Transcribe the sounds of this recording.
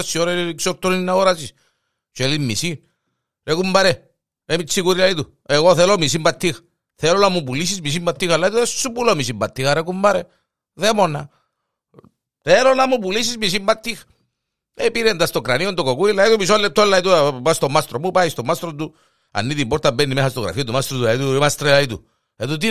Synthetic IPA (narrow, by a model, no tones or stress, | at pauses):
sːioɾeiksoɾt̪ːoninːaoɾasis | t͡ʃelimisin | ɾekumbaɾe | ɾemisikuɾilait̪u | eɣoθelomis̬imbat̪ʰːix | θelonamupulis̬izmis̬imbat̪ːixalːait̪uðessupulomisimbɐt̪ːixaɾekumbaɾe | ðemona | θelonamupulisizmis̬imbat̪ːix | epiɾend̪ast̪okɾaniond̪okokuilait̪umisolːet̪ʰːolːait̪upast̪omast̪ɾomupaist̪omast̪ɾont̪u | a̰nːit̪iboɾt̪ambenːimehast̪oɣɾa̰fiat̪umast̪ɾot̪ulait̪uemast̪ɾelait̪u | et̪ut̪̬i